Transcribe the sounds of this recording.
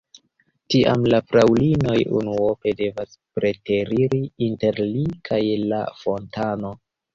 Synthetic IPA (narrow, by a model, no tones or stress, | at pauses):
tiʔa̰mlafɾawlino̞jṵnuope̞de̞vaspɾe̞te̞ɾiɾiinte̞ɾlikʰajla̰fo̞ntano̞